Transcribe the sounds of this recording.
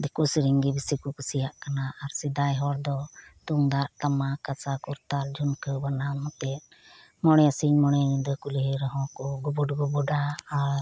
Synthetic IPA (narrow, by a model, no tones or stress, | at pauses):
d̪ɛkusɾiŋɡibisikɔkusijaʔkanaʔaɾsid̪ajɦɔɾd̪ɔt̪uŋd̪aʔt̪amakat͡ʃakuɾt̪ald͡ʒʱunkʰəbanamɔt̪ɛt̪̚ | mɔɽ̃ɛasiɲmɔɽ̃ɛnid̪ɔkulɦeɾɔɦɔ̃kɔɡɔbɔɖɡɔbɔɖaːɾ